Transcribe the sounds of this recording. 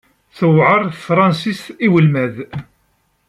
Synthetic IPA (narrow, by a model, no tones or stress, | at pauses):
θəwʕəɾˤθfɾˤɑnsist̪iwəlmæð